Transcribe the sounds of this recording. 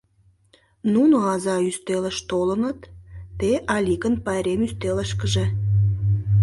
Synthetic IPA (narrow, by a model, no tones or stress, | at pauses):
nunoɑzɑyst̪eləʃt̪olənət̪ːeʔɑlʲikənpɑjɾemyst̪eləʃkəʒĕ